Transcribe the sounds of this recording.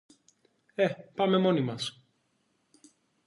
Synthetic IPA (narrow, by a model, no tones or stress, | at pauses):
epɐme̞mo̞nimɐs